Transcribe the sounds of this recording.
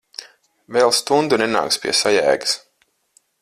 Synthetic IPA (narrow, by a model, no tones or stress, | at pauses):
veːlˠst̪und̪unena̰ːkspʲiɛsajæ̰ːɡɨ̥s